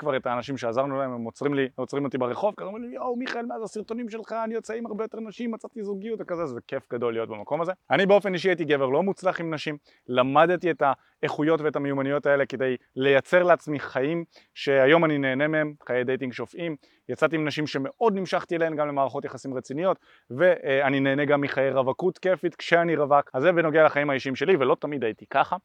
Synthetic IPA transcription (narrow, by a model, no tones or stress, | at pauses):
kvaʁe̞taːnaʃimʃe̞azaʁnulaememːot͡sʁimliot͡sʁimo̞t̪ibeʁeχo̞vkzomimjowmiχaelmeazasiʁt̪o̞nimʃelχaːnijot͡saimaʁbejo̞t̪e̞ʁnaʃimat͡sat̪izuɡijutvekazezeke̞fɡado̞ljo̞t̚bemako̞maze̞anibeo̞fe̞niʃiajit̪iɡe̞veʁlo̞mut͡slaχimnaʃim | lamad̪tieta | eχujo̞tveetamejumanijo̞t̪aele̞ke̞de̞j | le̞jat͡se̞ʁleat͡smiχaim | ʃe̞ajo̞manine̞ːne̞mehemχajejd̪ejt̬iŋɡʃofim | jat͡sat̪̬iimnaʃimʃe̞me̞ʔo̞d̪nimʃaχt̪ielehemɡamlemaːʁaχo̞t̪jaχasimʁet͡sinijo̞t̪ | ve̞anine̞ːneɡamːiχajeʁavakut̪ke̞fit̪kʃeaniʁavakazeveno̞ɡealaχaimhaiʃiimʃe̞livelo̞t̪amid̪ajit̪ikaχa